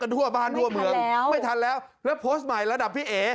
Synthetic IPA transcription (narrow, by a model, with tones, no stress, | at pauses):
ka˧nt̪ʰu˥˩ɐbaː˥˩nt̪ʰu˥˩əmɯ˧əŋma˥˩jt̪ʰa˧nlɛː˦˥w | lɛː˦˥wpʰoː˦˥st̪̚ma˨˩jla˧da˨˩p̚ʰːiː˥˩ʔeː˩˦